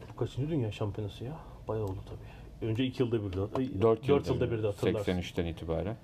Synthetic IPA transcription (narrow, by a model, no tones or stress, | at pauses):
b̥ukʰat͡ʃʰɯnd͡ʒɯd̪ynjaːʃampʰijonasɯja | b̥ajaolˠd̪ut̪ʰabiː | ø̞nd͡ʒɛicʰijɯlˠd̪abiɾid̪ɛad̪øɾt̪jd̪øɾt̪ʰjɯlˠd̪abiɾd̪ɛat̪ʰɯɾɛk̪asænyʃt̪ʰæniːt̪ʰibaːɾæn